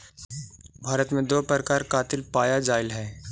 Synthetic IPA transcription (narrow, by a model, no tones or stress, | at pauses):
bʱaːɾət̪mẽd̪oːpəɾəkaːɾkaːt̪ɪlpaːjad͡ʒaːɪlɦɛː